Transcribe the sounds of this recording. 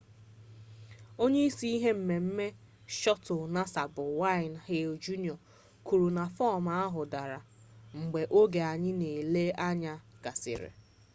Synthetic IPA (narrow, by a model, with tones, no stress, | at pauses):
o˦ɲe˦i˦si˦i˦ɦe˦m̩˨me˨m̩˦me˦ | ʃɔ˦tʊ˨na˦sa˨bʊ˨wa˦ɪ˨n˨he˦o˨d͡ʒu˦ni˨ɔ˨ | ku˨ɾu˨na˨fɔ˦ma˨a˦ɦʊ˨da˨ɾa˨ | ŋ͡m̩˨ɡ͡be˨ʔo˦ɡe˨a˨ɲɪ˦ne˨le˦a˦ɲa˨ɡa˨sɪ̰˨ɾɪ̰˨